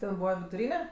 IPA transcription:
tʲɛn ˈbuːʋɐ ʋʲɪdʊˈrʲiːnʲɛ

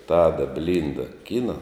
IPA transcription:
ˈtɑːdɐ ˈbʲlʲɪndɐ ˈkʲɪnɐ

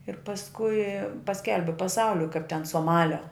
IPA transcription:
ɪr pɐsˈkʊɪ pɐˈsʲkʲɛlʲbʲɪ pɐˈsɐʊlʲʊɪ kɐɪp tʲɛn soːˈmɑːlʲoː

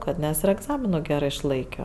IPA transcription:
ˈkɐt ˈnʲɛs ɪr ɛɡˈzɑːmʲɪnoː ˈɡʲæːrɜ ɪʃˈlˠɐɪkʲoː

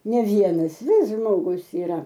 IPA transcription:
nʲɛ ˈʋʲiɛnɐs ˈʋʲɪs ˈʒmoːɡʊs ɪˈrɐ

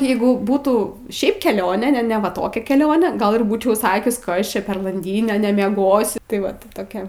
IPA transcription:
ˈjɛɪɡʊ ˈbuːtuː ˈʃʲɛɪp kʲɛˈlʲoːnʲeː nʲɛ nʲɛ ʋɐ ˈtoːkʲɛ kʲɛˈlʲoːnʲeː ˈɡɐlˠ ɪr ˈbuːt͡ʃʲɛʊ ˈsɑːkʲʊs ˈkɐs ˈt͡ʃʲɛ pʲɛr lˠɐnʲˈdʲiːnʲeː nʲɛmʲiɛˈɡoːsʲʊ tɐɪ ˈʋɐt tʲɪ ˈtoːkʲɛ

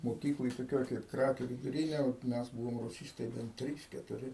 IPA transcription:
moːˈkʲiːklˠoːj toːˈkʲoːj kɐɪp ˈkrɑːkʲuː ʋʲɪdʊˈrʲiːnʲeː oːt ˈmʲɛs ˈbuːʋoːm rʊˈsʲiːstɐɪ bʲɛn ˈtʲrʲiːs kʲɛtʊˈrʲɪ

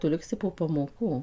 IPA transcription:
ˈtʊ ˈlʲɪksʲɪ poː pɐmoːˈkuː

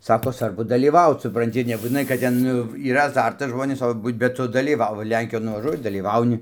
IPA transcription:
ˈsɑːkoː ˈsʋɐrbʊ dɐlʲiːˈʋɐʊt sʊprɐnʲˈtʲɪ nʲɛbuːtʲɪˈnɐɪ kɐt ˈtʲɛn ˈnʊ iːˈrɐ ɐˈzɐrtɐs ˈʒmoːnʲeːs ˈtoː ˈbuːt bʲɛt ˈtʊ dɐlʲiːˈʋɐʊ ˈlʲɛŋʲkʲɪjoːn nʊʋɐˈʒuɔjɪ dɐlʲiːˈʋɐʊnʲɪ

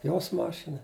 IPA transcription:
joːs ˈmɑːʃʲɪnɐ

